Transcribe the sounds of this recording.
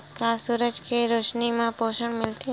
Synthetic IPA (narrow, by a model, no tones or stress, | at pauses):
kasuɾəd͡ʒkeɾoːʃnimãpoːʃəɳmɪlt̪ʰi